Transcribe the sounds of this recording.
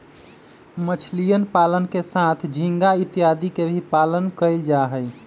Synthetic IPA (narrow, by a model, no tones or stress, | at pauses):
mət͡ʃʰlijənpalənkesat̪ʰd͡ʒʱĩŋɡait̪ijad̪ikebʱipalənkəld͡ʒaɦəɪ